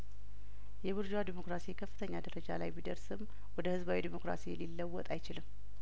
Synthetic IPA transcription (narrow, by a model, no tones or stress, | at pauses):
jɛβɨɾd͡ʒad̪imo̞kɾasikʰəfːɨt̪ʰəɲːad̪əɾəd͡ʒa̰la̰jbid̪əɾsɨm | wɔd̪əhɨzbawid̪imo̞kɾa̰sililːəwːɔt̪ʼajt͡ʃɪlɨmː